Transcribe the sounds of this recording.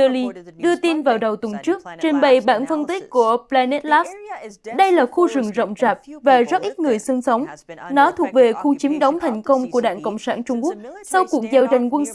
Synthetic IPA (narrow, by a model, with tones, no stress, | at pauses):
ə˧li˧ɗɨ˧ət̪i˧nvaː˨˩wɗə˨˩wt̪wə˨˩nt͡ɕɨ˦˥ək̚t͡ɕe˧nɓə˧˨˩jɓa̰ː˧˩nfə˧nt̪i˦˥k̚ku˧˩əplaː˧ne˦˥t̚laː˦˥sɗə˧jlaː˨˩xu˧zɨ˨˩ŋzə̰˧˨wŋ͡mzaː˨˩p̚vaː˨˩zə˦˥t̚ʔi˦˥t̚ŋɨ˨˩əjsɨ˧ŋsə˨˦wŋ͡mnɔ˨˦t̪ʰu˨˩ək̚ve˨˩xu˧t͡ɕi˨˦mɗə˨˦wŋ͡mt̪ʰa˨˩jŋ̟kə˧wŋ͡mku˧˩əɗa̰ː˧˨ŋko̰˧˨wŋ͡msaː˧˩nt͡ɕʊ˧ŋ͡mku˦˥k̚sa˧wku˨˧˩ək̚zaː˧˩wza˨˩jŋ̟kwə˧n